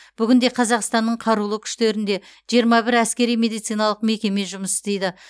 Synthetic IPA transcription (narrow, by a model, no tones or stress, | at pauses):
b̥ʏɡʲɪnd̪e̞qʰɑzɑqst̪ɑnːəɴqʰɑɾulˠəkʲʰʏ̥ʃt̪e̞ɾɪnd̪e̞ʒ̥ijəɾmɑbɪɾæskʲe̞ɾijme̞d̪ijt̪sɨijnɑlˠəqme̞kʲe̞me̞ʒʊməsd̪e̞jd̪ɪ